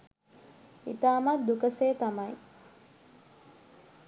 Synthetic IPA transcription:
ḭt̪aːmat̪̚d̪ukəseːt̪amaj

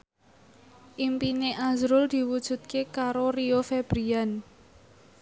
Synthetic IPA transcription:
ʔimpineʔazɾʊld̪̥i̤wud̥ʒ̥ṳt̪̚kekaɾoriofeb̥ɾian

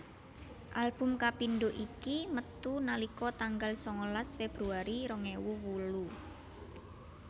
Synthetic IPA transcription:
ʔalb̥ʊ̤mkapinɖoʔikimət̪unalikɔt̪aŋɡalsɔŋolasfeb̥ɾuaɾiɾɔŋewuwulu

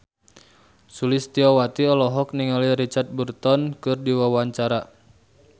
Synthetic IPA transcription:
sulɪst̪iɔwat̪iɔlɔɦɔk̚niŋaliɾit͡ʃart̪̚bərt̪ɔnkɨrdiwawaɲt͡ʃaɾa

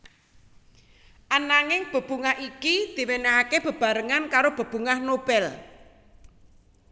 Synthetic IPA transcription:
ʔanaŋɪŋb̥ə̤b̥ṳŋaɦikid̪̥i̤wenaɦakeb̥ə̤b̥a̤ɾəŋankaɾob̥ə̤b̥uŋahnob̥ɛl

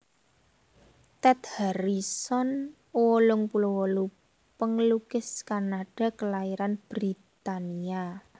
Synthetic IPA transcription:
t̪ɛt̪haɾisɔn | wɔlʊŋpulowɔlu | pəŋlukɪskanaɖ̥a̤kəlaiɾanb̥ɾit̪ania

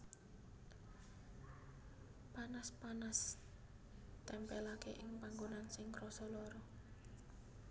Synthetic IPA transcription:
panaspanas | t̪ɛmpɛlakeʔɪŋpaŋɡonansɪŋrɔsɔlɔɾɔ

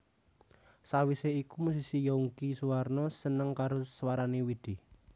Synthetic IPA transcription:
sawiseikumusisijɔuŋkisuwarnɔsənəŋkaɾosəwaɾanewid̪̥i̤

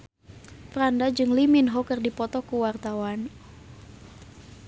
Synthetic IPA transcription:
fɾandad͡ʒɨŋliminɦɔkɨrdipɔt̪ɔkuwart̪awan

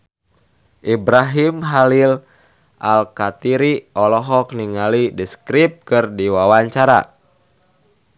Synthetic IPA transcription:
ʔibɾaɦimɦalil | ʔalkat̪iɾiʔɔlɔɦɔk̚niŋalidiskɾip̚kɨrdiwawaɲt͡ʃaɾa̰

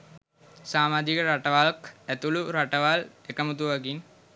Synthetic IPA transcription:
saːmaːd͡ʒ̪ikəɾaʈəʋalkæt̪uluɾaʈəʋalekəmət̪uʋaɡin

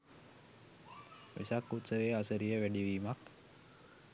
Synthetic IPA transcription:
ʋḭsakːut̪səʋeːasəɾijəʋæɖiʋiːmak

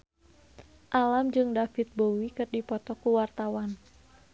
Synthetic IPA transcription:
ʔalamd͡ʒɨŋdafit̪̚bowikɨrdipɔt̪ɔkuwart̪awan

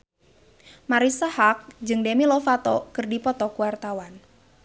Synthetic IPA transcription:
maɾisahak̚d͡ʒɨŋdemilɔfat̪ɔkɨrdipɔt̪ɔkuwart̪awan

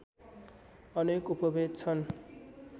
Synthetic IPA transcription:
ʌnekupʌbʱeɡ̚t͡sʰʌn

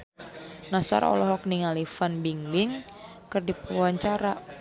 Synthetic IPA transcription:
nasa̰ɾɔ̰lɔɦɔk̚niŋalifanbiŋbiŋ | kɨrdipwaɲt͡ʃaɾa

